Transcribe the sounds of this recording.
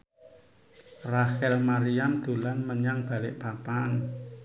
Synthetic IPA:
rahɛlmaɾiand̪̥ṳlanməɲaŋb̥a̤lɪ̰ʔpapan

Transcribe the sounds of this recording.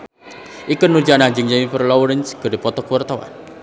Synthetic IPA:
ʔikənːurd͡ʒanad͡ʒɨŋd͡ʒamipərlɔwɾənsɡ̥ə̤depɔt̪ɔkəwart̪awa̰n

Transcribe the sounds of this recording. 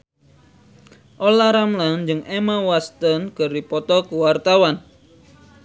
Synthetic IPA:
ʔolaɾamland͡ʒɨŋʔemawast̪ənkɨrdipɔt̪ɔkuwart̪awan

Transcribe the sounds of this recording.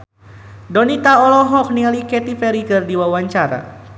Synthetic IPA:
dɔnit̪aɔlɔɦɔk̚nialikɛt̪ipɛɾikərdiwawaɲt͡ʃaɾa̰

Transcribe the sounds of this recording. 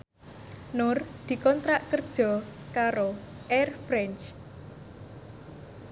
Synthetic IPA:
nʊrd̪̥i̤kɔnt̪ɾaʔkərd̥ʒ̥ɔ̤kaɾo | ʔɛrfɾɛnt͡ʃ

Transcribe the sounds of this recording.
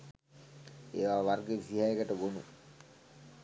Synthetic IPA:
eʋaʋaɾɡesiɦajeɡaʈəɡonṵ

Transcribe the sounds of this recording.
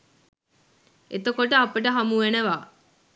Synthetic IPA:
et̪okoʈəapəʈəɦamuʋeneʋaː

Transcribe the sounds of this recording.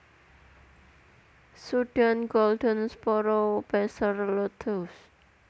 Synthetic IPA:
suɖ̥anɡolɖənspɔɾob̥asərlot̪ʰos

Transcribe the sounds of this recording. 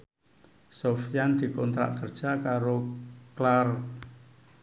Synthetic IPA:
sofijand̪̥i̤kɔnt̪ɾa̰ʔkərd̥ʒ̥a̤kaɾoklar

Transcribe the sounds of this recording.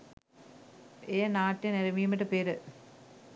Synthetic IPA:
eːnaːʈːeneɾɐmijumiʈːɨpeːɾɨ

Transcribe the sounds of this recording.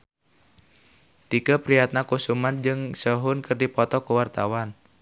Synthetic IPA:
t̪ikapɾiat̪̚nakusumand͡ʒɨŋsəɦʊnkɨrdipɔt̪ɔkəwart̪awan

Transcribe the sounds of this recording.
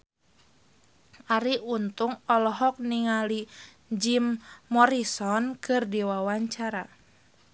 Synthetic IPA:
aɾiunt̪uŋɔlɔɦɔk̚niŋali | d͡ʒimːɔɾisɔnkɨrdiwawaɲt͡ʃaɾa

